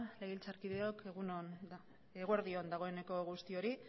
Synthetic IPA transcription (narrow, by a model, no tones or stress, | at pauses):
le̞ɣilt͡saɾkiðe̞o̞ke̞ɣuno | eɣoeɾðio̞nd̪aɣ̞o̞e̞ne̞ko̞ɣust̪io̞ɾi